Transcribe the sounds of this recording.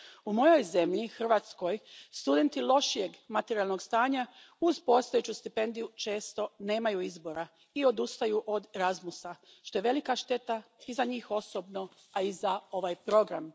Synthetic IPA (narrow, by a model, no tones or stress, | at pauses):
umo̞jo̞jze̞mʎixr̩ʋaːt̪sko̞jst̪ud̪e̞nt̪ilo̞ʃije̞ɡmat̪eɾijalno̞ɡst̪aːɲa | uzpo̞st̪ojet͡ɕust̪ipe̞nd̪ijut͡ʃe̞ːst̪o̞ne̞ːmajuizbo̞ɾa | io̞d̪ust̪ajuʔo̞d̪eɾazmusa | ʃt̪o̞jeʋe̞likaʃt̪e̞t̪aizaɲiːxo̞sobno̞ | aizao̞ʋaːjpɾo̞ɡɾam